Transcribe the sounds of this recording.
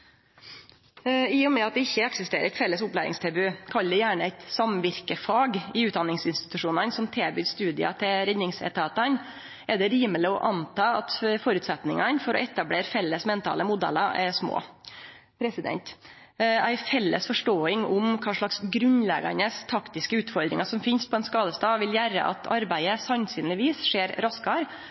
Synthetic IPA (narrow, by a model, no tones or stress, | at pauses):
ɪːɔmɛɑt̪̚d̪ɛɪçːəɛksɪst̪eːɾə̰ɾɛt̪fɛlːəsʊplæɾɪ̰ŋst̪ʰɛbʉːkʰɑld̪ɛjæːɳəæɪt̪sɑmʋɪɾkəfɑːɡɪʉːt̪d̪ɑnːɪŋsɪnst̪ɪ̥t̪ʉʂuːnənsɔmt̪ʰɛːbyːst̪ʉːd̪ɪɑ̰t̪ʰɪlɾɛd̪nɪŋsɛ̰t̪ɑːt̪ɑn | ɛɖ̪ɛɾiːmələɔʔɑnt̪ɑːɑt̪fɔɾʉːt̪sɛt̪nɪŋɑnfɔɾɔ̰ɛt̪ɑbleːɾfɛlːəsmɛnt̪ʰɑ̰ləmʊd̪ɛ̰lɑʔɛʂmo̰ː | pʰɾɛsɪd̪ɛ̰nt̪ | æɪfɛlːə̰sfɔʂʈoːɪŋʊmkʰɑːʂɭɑksɡɾʉnlɛ̰ɡɑ̰nəst̪ʰɑkt̪ɪskəʉːt̪fɔɾd̪ɾɪ̰ŋɑsɔmfɪnspʰɔɛnskɑːd̪əst̪ɑːʋɪljæɾə̰ʔɑ̰t̪ʰɑɾbæɪəsɑnsyːnlɪʋiːsʂeːɾɾɑskɑɾ